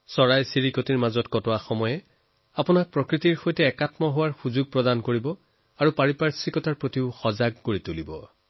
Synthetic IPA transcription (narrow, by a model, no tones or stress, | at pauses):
sɔɹajsiɹikotiɹmazɔtkɔtɔwaxɔmɔjɛ | apʊnak̚pɹɔkɹitiɹxojtɛːkatmɔɦowaɹxuzuɡ̚pɹɔdankoɹibɔ | aɹupaɹipaɹsikɔtaɹpɹotiʊxɔzaɡ̚ːoɹitulibɔ